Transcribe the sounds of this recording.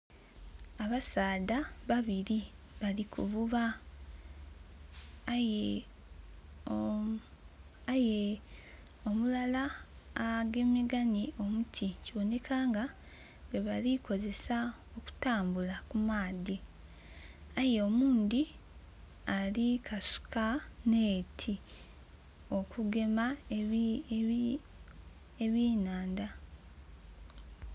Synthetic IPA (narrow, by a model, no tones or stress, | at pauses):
aβasaːdaβaβiɾi | βalikʰṵβuβa | j | aje | omulalaː | ɡe̞meɡaniʔo̞mutʰiciβo̞ne̞kʰaːŋɡa | ɡeβalikʰo̞ze̞sa | o̞ku̥taːmbulakumaːdi | ajeomuːndi | alikʰasu̥kaneːtʰi | o̞kuɡe̞ma | eβiːnaːnda